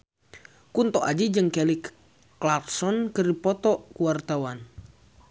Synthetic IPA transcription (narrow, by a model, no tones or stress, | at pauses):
kunt̪ɔʔad͡ʒid͡ʒɨŋkɛlikː | laksɔnkɨripɔt̪ɔkuwart̪awan